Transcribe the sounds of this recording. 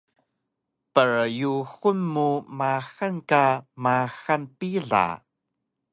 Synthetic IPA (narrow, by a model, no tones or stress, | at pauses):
pəɹjuxunmumaxankamaxanpiɮa̰